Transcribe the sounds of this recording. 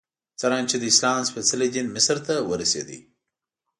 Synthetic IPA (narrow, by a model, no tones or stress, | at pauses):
t͡saɾɑnt͡ʃed̪əɪslɑːmspet͡saled͡ʒinmɪsɾt̪awəɾasḛd̪ḭ